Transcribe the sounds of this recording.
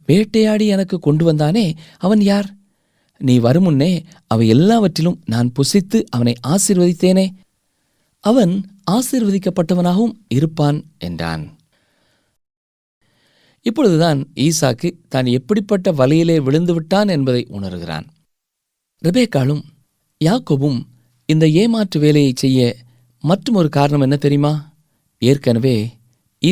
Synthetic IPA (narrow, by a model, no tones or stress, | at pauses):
ʋeːʈːɐjaːɽiɛnɐkːɯkːɔɳɖɯʋɐnd̪aːneːɐʋɐnjaːɾ | niːʋɐɾɯmɯnːeː | ʔɐʋɐɪɛlːaːʋɐʈrɪlɯmnaːnpʊsɪt̪ːɯʔɐʋɐnɐɪʔaːsiːɾʋɐðɪt̪ːeːneː | ʔɐʋɐnaːsiːɾʋɐðɪk̬ːɐpːɐʈːɐʋɐnaːɣɐʋɯmɪɾɯpːaːnʔɛ̰ndra̰ːn | ɪpːɔɻɯðɯt̪aːniːsaːkːɯt̪aːnɛpːɐɽɪpːɐʈːɐʋɐlɐjɪleːʋɪɭɯnd̪ɯʋɪʈːaːnɛnbɐðɐɪʔʊ̰ɳɐɾɯɣɪra̰ːn | ɾɛbeːkːaːlɯm | jaːkoːbɯm | ɪnd̪ɐeːmaːʈrɯʋeːlɐjɐɪt͡ʃːɛjːɐ | mɐʈrɯmɔɾɯkaːɾɐɳɐmɛnːɐt̪ɛɾɪjmaː | eːɾkɐnɐʋeː | iː